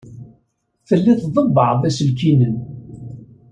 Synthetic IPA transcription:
θəlːiθðˤəbːəʕvæslkinən

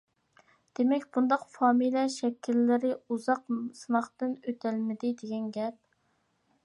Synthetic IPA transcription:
d̪̥emɛkʲbund̪ɑqfɑːmilɛʃɛkʲʰːilːɪɾɪuzɑqsɨnɑχt̪ɨnøt̪ʰælmɪd̪ɪd̪eɡʲɛnɡʲɛp̚

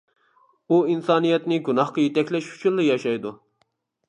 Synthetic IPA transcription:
uinsɑːnijɛt̪nɪɡunɑχqɑjet̪ɛkʲlɛʃy̥t͡ʃʰynlːˠɨjɑʃɑjd̪u

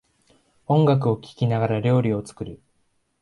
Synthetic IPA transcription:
õ̞ŋɡak̬ɯ̟o̞kʲi̥kʲinaɡaɾaɾʲo̞ːɾʲio̞t͡sɨ̥kɯ̟ɾɯ̟

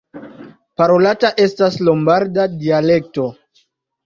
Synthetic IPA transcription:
paɾo̞lataʔe̞staslo̞mbaɾdadiale̞k̚to̞

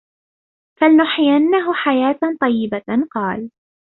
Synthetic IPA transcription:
falnʊħjanːaɦʊħajaːt̪t̪ˤɑjːɪbaqɑːl

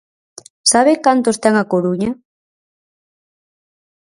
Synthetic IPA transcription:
saβekant̪ost̪aŋakoɾuɲɐ

